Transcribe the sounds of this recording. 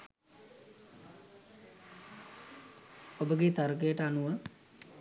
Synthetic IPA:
obəɡet̪aɾəkejəʈəanuʋə

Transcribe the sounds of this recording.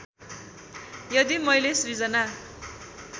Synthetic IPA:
jʌd̪imʌjlesrid͡zʌna

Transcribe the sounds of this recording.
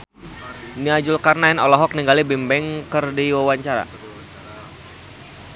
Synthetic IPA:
niad͡ʒʊlkarnaɛnɔlɔɦɔk̚niŋɡalibimbɛŋkərdiwawaɲt͡ʃaɾa̰

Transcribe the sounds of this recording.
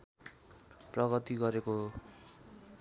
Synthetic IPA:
prʌɡʌt̪iɡʌɾekoɦo

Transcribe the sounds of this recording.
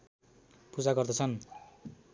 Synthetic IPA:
pud͡zaɡʌrd̪ʌt͡sʰʌn

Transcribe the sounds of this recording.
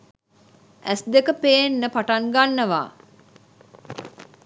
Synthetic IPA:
ʔæsd̪ekəpeːnːəpaʈaŋɡanːəʋa̰ː

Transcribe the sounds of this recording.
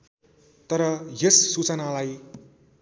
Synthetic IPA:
t̪ʌɾʌjesːut͡sʌnalaj

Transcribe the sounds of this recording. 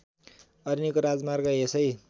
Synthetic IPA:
ʌɾinikoɾad͡zmarɡʌesʌj

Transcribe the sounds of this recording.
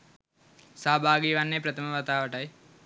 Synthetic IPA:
saːbʱaːɡiːʋanːepɾət̪ʰəməʋat̪aːʋəʈaj

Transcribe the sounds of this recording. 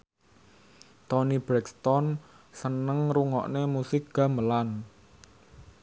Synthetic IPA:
t̪ɔnib̥ɾɛkst̪ɔn | sənəŋɾuŋɔ̰ʔnemusɪk̚ɡ̥a̤məlan

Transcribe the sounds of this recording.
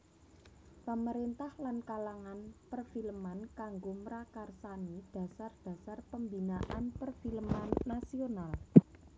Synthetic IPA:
pəməɾint̪ahlankalaŋanpərfilmankaŋɡomɾakarsanid̥a̤sard̥a̤sarpəmbinaʔanpərfilmanːasional

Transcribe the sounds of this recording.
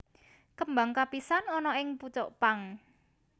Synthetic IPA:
kəmbaŋkapisanɔnɔʔɪŋput͡ʃɔ̰ʔpaŋ

